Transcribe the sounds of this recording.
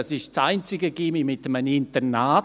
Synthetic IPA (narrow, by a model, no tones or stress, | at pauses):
ɑsɪʃt͡saɪnt͡sɪɡəɡimimɪtəmənɪntənaː